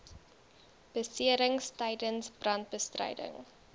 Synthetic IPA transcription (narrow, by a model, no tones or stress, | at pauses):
b̥əsiəɾəŋstɐjdənsb̥rɐnt̚bəstrə̰jdə̰ŋ